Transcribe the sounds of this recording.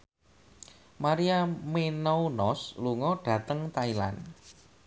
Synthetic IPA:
maɾiamenɔunɔsluŋɔɖ̥ä̤t̪əŋt̪aila̰n

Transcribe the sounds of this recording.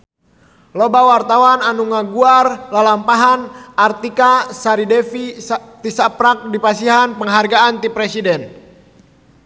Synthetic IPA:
lɔbawart̪awananuŋaɡuarlalampaɦanʔart̪ikasaɾidɛfit̪isapɾak̚dipasiɦanpəŋɦarɡaant̪ipɾɛsidɛn

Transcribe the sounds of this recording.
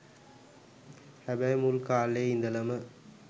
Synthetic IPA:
hɐbɐjmulkaːlːeːind̪ɐlɐmɐ

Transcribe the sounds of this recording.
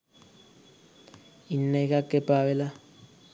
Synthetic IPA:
inːɛkakʼɛpʼawɛla

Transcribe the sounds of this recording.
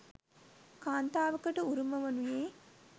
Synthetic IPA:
kaːnt̪aːʋɐkɐʈɨuɾumɐʋɐnujeː

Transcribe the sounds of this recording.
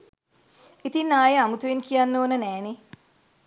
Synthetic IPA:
it̪inːaːjeamut̪uʋenkijanːoːnənɛːne

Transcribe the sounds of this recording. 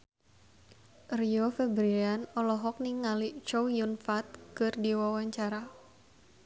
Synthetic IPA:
riofɛbɾianɔlɔɦɔk̚niŋalit͡ʃowjunfat̪̚kɨrdiwawaɲt͡ʃaɾa

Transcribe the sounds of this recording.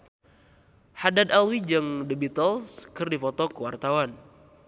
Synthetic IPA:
hadad̪alwid͡ʒɨŋdəbit̪əlskɨrdifɔt̪ɔkəwart̪awan

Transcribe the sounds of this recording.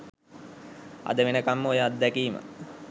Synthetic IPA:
a̰d̪əʋenəkamːəojaːt̪̚d̪ɛkiːmə̰

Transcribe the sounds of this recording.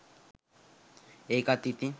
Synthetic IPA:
ekat̪it̪i

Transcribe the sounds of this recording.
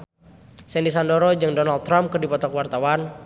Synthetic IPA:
sɛndisandɔɾɔd͡ʒɨŋdɔnald̚t̪ːɾamp̚kɨrdipɔt̪ɔkwart̪awan

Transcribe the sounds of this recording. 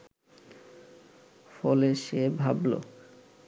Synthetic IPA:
fɔleʃebʱablo̰

